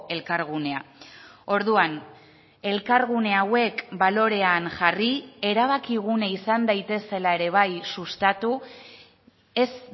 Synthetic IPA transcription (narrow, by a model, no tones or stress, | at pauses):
e̞lkaɾɣ̞une̞ao̞ɾðuan | e̞lkaɾɣune̞awe̞kbalo̞ɾe̞anʝarie̞ɾaβ̞akiɣ̞unaisand̪ajt̪e̞se̞lae̞ɾe̞β̞ajsust̪at̪u | e̞s